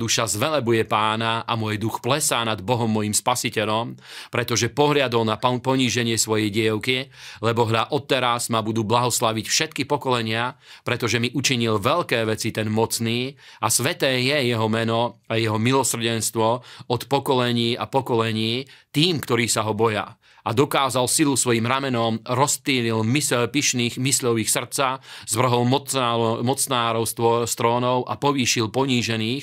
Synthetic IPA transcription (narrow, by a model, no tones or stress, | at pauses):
d̪uʃazʋɛlɛbujɛpaːnaʔamʊɔjd̪uxplɛsaːnad̪bɔɦɔmːɔjimspasicɛʎɔmpɾɛt̪ɔʒɛpɔɦʎad̪ɔlnapɔɲiːʒɛɲɪɛsʋɔjɛjɟɪɛʊkilɛbɔɦʎaʔɔt̪ːɛɾazmabud̪uːblaɦɔslaʋicfʃɛt̪̚kipɔkɔlɛɲɪapɾɛt̪ɔʒɛmiʔut͡ʃiɲilʋɛʎkɛːʋɛt͡sit̪ɛnmɔt͡sniːasʋɛt̪ɛːjɛjɛɦɔmɛnɔajɛɦɔmilɔsr̩ɟɛnst̪ʋɔɔt̪pɔkɔlɛɲiːapɔkɔlɛɲiːt̪iːmkt̪ɔɾiːsaɦɔbɔja̰ | ʔad̪ɔkaːzalsilusʋɔjiːmɾamɛnɔmɾɔst̪iːlilmispiʃniːxmisʎɔʋixsr̩t̪t͡saz̥ʋr̩ɦɔlɔmɔt͡snaːɾɔʊst̪ʋɔst̪ɾɔːnɔʊʔa̰pɔʋiːʃilpɔɲiːʒɛniːx